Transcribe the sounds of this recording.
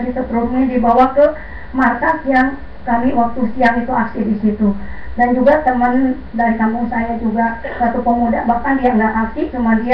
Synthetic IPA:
sit̪at̪ɾurnidibawat̪ʊ | markasijaŋ | skaliwak̚t̪usiaŋit̪uaksidisit̪udand͡ʒuɡat̪əmən | daɾik̪aŋkuŋsajad͡ʒuɡasat̪upəmudabahkandiaŋɡaʔaksit͡ʃumadia

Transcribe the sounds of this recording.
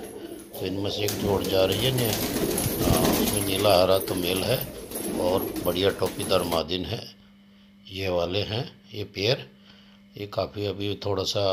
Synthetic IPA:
t̪oɪnmẽseeːkd͡ʒoːɽd͡ʒaːɾɐɦiɦɛnẽ | ʊsmẽniːlaɦaːɾat̪omelɦɛɔːɾbɐɽijaʈɔːpid̪əɾmaːd̪ɪnɦɛ̃ | jɛɦʋaːleɦɛ̃ | jepeːəɾ | jekaːpʰiɐbʱit̪ʰoːɽasa

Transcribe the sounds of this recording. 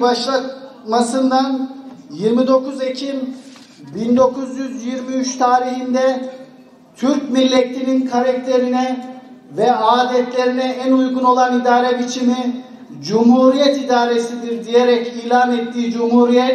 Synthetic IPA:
baʃlˠat̪̚masɯnd̪anjiɾmid̪o̞kʰuzecʰim | bind̪o̞kʰuzjyzjiɾmiyt͡ʃt̪ʰaːɾihind̪ɛ | t̪ʰyɾcmilʲːet̪lininkʰaɾakt̪ʰe̞ɾinɛvɛaːd̪ɛt̪lʲe̞ɾinɛænujɡuno̞lˠanid̪aːɾɛpit͡ʃʰini | d͡ʒumhuːɾijɛt̪id̪aːɾe̞sid̪iɾd̪ije̞ɾɛciːlʲaːnet̪ːiːd͡ʒumhuːɾijɛt̪

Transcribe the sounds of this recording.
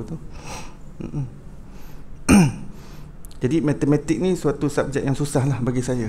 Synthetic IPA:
t̪u | m̩̰ʔm̩ | d͡ʒadimat̪emɛt̪ɪk̚nĩsuat̪usap̚d͡ʒɛt̪̚jaŋsusahlahbaɡisaja

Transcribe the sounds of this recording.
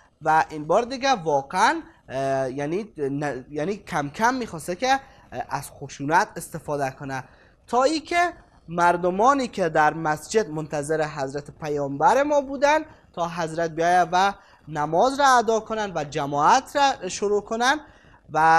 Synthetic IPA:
væʔinbɒːɾd̪iɡævɒːqeæn | jæninjæːniːkʰæmkʰæmːiːxɒːst̪ekʲe | æz̥xoʃuːnæt̪ʰest̪efɒːd̪ækʰonæ | t̪ʰɒːiːkʰʲe | mæɾd̪omɒːniːkʲʰed̪æɾmæsd͡ʒed̪mont̪ʰæzeɾeɦæzɾæt̪ʰepʰæjɒːmbæɾemɒːbuːd̪æn | t̪ʰɒːɦæzɾæt̪̚bijɒːjævæ | næmɒːzɾɔːd̪ɒːkʰonænd̪væd͡ʒæmɒːæt̪ʰɾæʃoɾuːkʰonænd̪ | væ

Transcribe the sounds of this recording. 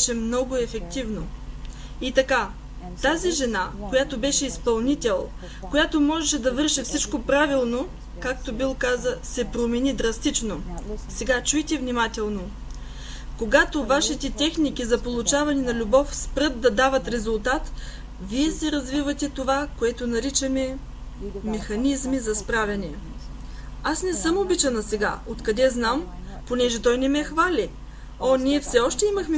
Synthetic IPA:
ʃɛmnɔɡʊɛfɛk̚t̪ivno | it̪ɐka | t̪aziʒɛnakojat̪obɛʃɛispɐlˠnit̪ʲɛlˠ | kojat̪omɔʒɛʃɛd̪ɐvɤɾʃɛfsit͡ʃkopɾavilˠno | kak̚t̪obilˠkazəsɛpɾomɛnid̪ɾɐst̪it͡ʃnosɛɡat͡ʃujt̪ɛvnimat̪ʲɛlˠno | koɡat̪ovaʃit̪ɛt̪ɛxnik̟izɐpolˠut͡ʃavɐninɐlʲubɔfspɾɤt̪̚d̪ɐd̪avɐt̪ɾɛzulˠt̪at̪ | viɛsɛɾɐzvivɐt̪ʲɛt̪ovakoɛt̪onɐɾit͡ʃɐmɛ | mɛxɐnizmizɐspɾavʲɐnɛ | asnɛsɤmobit͡ʃɐnɐsɛɡa̰ot̪kɐd̪ɛznam | ponɛʒɛt̪ɔjnɛmɛxvalʲi | oniɛfsɛɔʃt̪ɛimɐxmɛ

